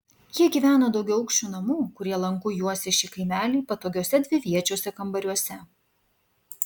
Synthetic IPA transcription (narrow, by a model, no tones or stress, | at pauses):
jiɛɡʲiːʋʲæːnoːd̪ɐʊɡʲɛʊɐʊkʃʲt͡ʃʲuːnɐmuːkʊɾʲiɛlˠɐŋkʊjuɔsʲɛʃʲiːkɐɪmʲæːlʲiːpɐt̪oːɡʲoɔsʲɛd̪ʲʋʲɪʋʲiɛt͡ʃʲoːsʲɛkɐmbɐɾʲuɔsʲɛ